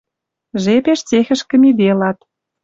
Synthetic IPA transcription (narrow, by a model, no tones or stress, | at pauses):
ʒepeʃt͡sexə̆ʃkə̆mid̪elɑt̪